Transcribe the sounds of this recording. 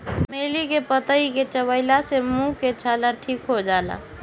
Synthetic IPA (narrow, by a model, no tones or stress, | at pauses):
meːlikepət̪əiket͡ʃəβəɪlasemũket͡ʃʰalaʈʰikɦod͡ʒala̰